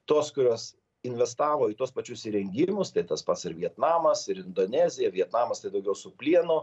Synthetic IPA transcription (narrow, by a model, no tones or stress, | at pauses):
t̪oːskʊɾʲoːs | ɪnʲʋʲɛst̪ɑːʋoːit̪uɔspɐt͡ʃʲʊsʲɪɾʲɛŋʲɡʲɪmʊst̪ɐɪt̪ɐspɐt̪sɪɾʋʲiɛt̪nɑːmɐsɪɾɪnd̪oːnʲæːzʲɪjɛʋʲiɛt̪nɑːmɐst̪ɐɪd̪ɐʊɡʲɛʊsʊpʲlʲiɛnʊ